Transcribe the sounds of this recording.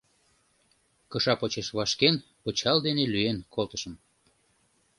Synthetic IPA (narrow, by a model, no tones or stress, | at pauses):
kəʃɑpot͡ɕeʃβɑʃkenpət͡ɕɑld̪enelyenkʰolt̪ə̥ʃə̆m